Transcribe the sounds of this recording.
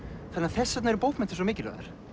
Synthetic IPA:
θanːaθɛsːɛt̪naɛɾʏpowhmɛnt̪ɪ̥s̬ɔmiːcɪɾœ̰ða̰ɾ̥

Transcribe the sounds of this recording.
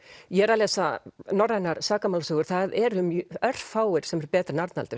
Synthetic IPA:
jɛɾalɛːsanɔrːajnaɾ̥saːkamaːlasœːɣʏɾ̥θaðɛɾʏmœr̥faːwɪɾ̥sɛmɛɾpɛːt̪ɾnaɾt̪na̰t̪ʏɾ̥

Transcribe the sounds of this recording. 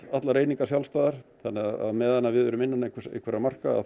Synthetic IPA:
at̪laɾeːjniŋkasjawlst̪aːðaɾ̥θanːɛaða̰ðmɛːðanːaðvɪððvɛɾʏmɪnːanːaikʰḭkʰvɛɾamar̥ka̰

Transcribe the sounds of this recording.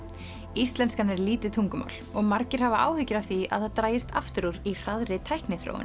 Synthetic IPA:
ist̪lɛnskanɛɾliːt̪ɪt̪ʰuŋkʏma̰ːwl̥ɔɣmaɾcɪɾ̥havaʔa̰ːwhʏcːɪɾawθia̰ðθaðt̪ɾaːjɪst̪ʰa̰ft̪ʏɾuɾir̥aðɾɪt̪ʰajhknɪθɾo̰wɪ̰n

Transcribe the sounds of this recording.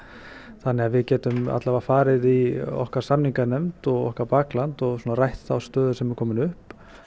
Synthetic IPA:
θanːɛɣaðvɪðcɛːt̪ʏma̰t̪lavafaːɾɪðiɔ̰hkaɾ̥samniŋkanɛmt̪ɔɣɔ̰hkaɾpaːklant̪ɔɣsuːnaɾajht̪θawst̪œːðʏ̥sɛmvɪɾkʰɔːmɪnʏhp

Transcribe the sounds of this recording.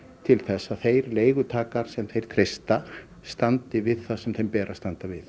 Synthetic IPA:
t̪ʰɪlθɛsːaðθejɾleːjɣʏt̪ʰaːkaɾ̥sɛmθejɾ̥t̪ʰɾejst̪a | st̪ant̪ɪvɪðθasɛmθejmpɛːɾʔast̪ant̪avɪθ

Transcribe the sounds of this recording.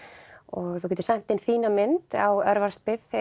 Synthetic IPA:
ɔɣθukʰɛːt̪ʏ̥sajmn̥t̪ɪnθiːnamɪnt̪awœɾvaɾ̥st̪̚pɪð

